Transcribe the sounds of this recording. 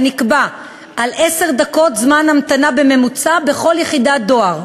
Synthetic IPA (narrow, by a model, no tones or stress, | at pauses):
nikba | ʔalese̞ʁdako̞tzmanhamt̪anabe̞me̞mut͡sabe̞χo̞ljeχidad̪o̞aʁ